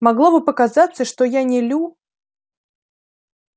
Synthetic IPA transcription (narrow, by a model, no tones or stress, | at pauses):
mɐɡlˠovɨpəkazat̪səʂt̪ojanʲɪlʲu